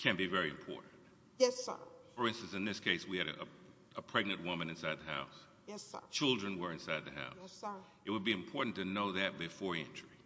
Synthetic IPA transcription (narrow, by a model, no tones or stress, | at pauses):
kʰɨ̃nb̥ivɛɹiɨ̃mpʰɔ̰ɹʔn̩t̚ | jɛsə̰fə˞ɪ̃nstɨ̃n̩sɨ̃nðɪskʰeɪswiɨɾɨ̰ʔə̰ | əpʰɹ̥ɛɡ̚nɨ̃nʔwʊmɨ̃nɨ̃nsaɪd̪̚ðɨha̰ʊs | ɛ̰t͡ʃʰɪlˠdɹɨ̃nwə˞ɨ̃nsaɪd̪̚ðɨɦa̰ʊs | ɨt̚wəd̚biɨ̃mpʰɔɹʔn̩tɨnoʊðɨt̚b̥ɨfɔɹɛ̰̃nt͡ʃɹ̥i